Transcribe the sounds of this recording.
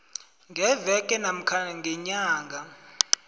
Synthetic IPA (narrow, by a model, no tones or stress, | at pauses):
ŋɡʱɛvɛkʼɛnam̩kʰaŋɡʱɛɲaːŋɡʱa